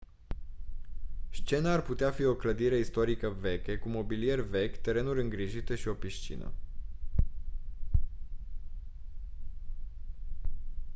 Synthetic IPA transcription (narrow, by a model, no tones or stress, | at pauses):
st͡ʃe̞naːrput̪eafio̞kləd̪iɾe̞ist̪o̞ɾikəve̞kʲe̞kumo̞bilije̞rʲvekʲt̪e̞ɾe̞nuɾʲɨŋɡɾiʒit̪əʃio̞piʃt͡ʃḭnə̰